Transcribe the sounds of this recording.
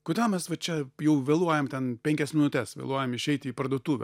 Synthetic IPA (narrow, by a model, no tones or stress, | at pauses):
kʊd̪ʲɛmʲɛsʋɐt͡ʃʲɛjɛʊʋʲeːlˠuɔjɛmt̪ʲɛnpʲɛŋʲkʲɛsmʲɪnʊt̪ʲɛsʋʲḛlˠuɔjɛmɪʃʲɛɪt̪ʲɪiːpɐɾd̪uɔt̪uːʋʲɛ̰